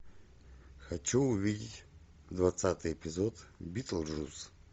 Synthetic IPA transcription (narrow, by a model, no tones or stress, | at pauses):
xat͡ʃʰuːvidʲitʲ | d̪vat̪sʰat̪ʼɨɛpʰʼizɔd̪bit̪ʼlˠɾus